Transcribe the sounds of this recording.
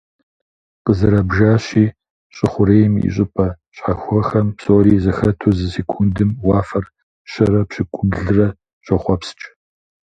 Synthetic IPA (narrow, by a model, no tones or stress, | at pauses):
qəzɨɾɐbʒaːɕiː | ɕʼɪχʷʊɾeːjɪmḭɕ̬ʼɪpʼɐ | ɕħaxʷɔxɐmpsoːɾiːzɐxɐtʰuzɨsekʷʰundɨmwɑːfɐr | ɕɐɾɐpɕɪkʷʼʊɡɮɨrɐ | ɕʷʼɐχʷɔpst͡ʃʼ